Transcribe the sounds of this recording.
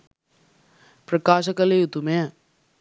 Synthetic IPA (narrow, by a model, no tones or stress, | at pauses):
pɾəkaːʃ̬ɐkɐleut̪ume